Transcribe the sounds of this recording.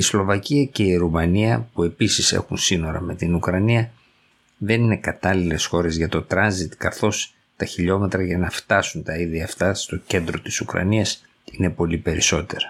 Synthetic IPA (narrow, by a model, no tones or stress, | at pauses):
islo̞vɐciɐce̞iɾumɐniɐpue̞pisisḛxunsino̞ɾɐ̰me̞t̪inukɾɐniɐ | ðe̞nine̞kɐt̪ɐlile̞sxo̞ɾe̞zʝɐt̪o̞t̪ɾɐnzit̪kɐθo̞s | t̪ɐçiʎo̞me̞t̪ɾɐʝɐnɐft̪ɐsunt̪ɐiðʝɐːft̪ɐst̪o̞ce̞nd̪ɾo̞t̪i̥sukɾɐ̰niɐs | ine̞po̞lipe̞ɾiso̞t̪e̞ɾɐ̥